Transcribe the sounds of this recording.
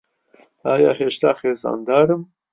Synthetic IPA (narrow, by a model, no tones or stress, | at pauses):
ɑːjɑːɦeːʃt̪aːxeːzɑ̰ːnd̪ɑːɾɨm